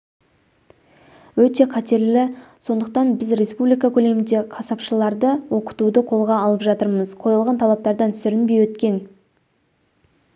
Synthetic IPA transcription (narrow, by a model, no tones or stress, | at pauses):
wɵt̪e̞qʰɑt̪e̞ɾlɪso̞nd̪əq̚t̪ɑnbɪzɾe̞spublijkɑkʲʰɵle̞mɪnd̪e̞qʰɑsɑpʃəlˠɑɾd̪əwo̞qə̥t̪ud̪əqʰo̞lˠʁɑːlˠəpʒɑt̪əɾməzqʰo̞jəlˠʁɑnt̪ʰɑlˠɑp̚t̪ɑɾd̪ɑnt̪ʰʏsʏɾɪnbejwɵt̪kʲe̞n